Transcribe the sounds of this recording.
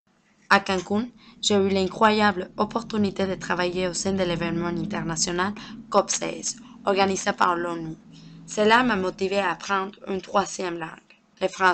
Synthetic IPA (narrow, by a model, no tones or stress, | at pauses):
akãŋkunʒ̥eylɛ̃ŋkχwajablɔpɔʁt̪ynit̪ed̪ət̪χavajeosɛ̃d̪elevɛnmɑ̃ɛ̃nt̪ɛʁnasjɔnalkɔpsɛ̰zɔʁɡanizepa̰ʁlɔnyselamamɔt̪iveapχɑ̃d̪ʁynt̪χwazjɛmlɑ̰̃ɡ̥ | lefʁɑ̃